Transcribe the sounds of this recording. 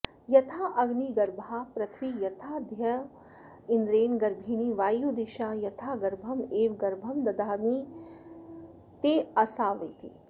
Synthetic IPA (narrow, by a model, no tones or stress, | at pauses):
jɐt̪ʰaːʔɐɡniɡɐɾbʱaːpɾɐt̪ʰʋijɐt̪ʰaːd̪ʱjɐ | ɪnd̪ɾeːnɡɐɾbʱiːniʋaːjuːd̪iʃaːjɐt̪ʰaːɡɐɾbʱɐmeːʋɡɐɾbʱɐmd̪ɐd̪aːmi | t̪eːɐsaːʋɐjt̪ḭ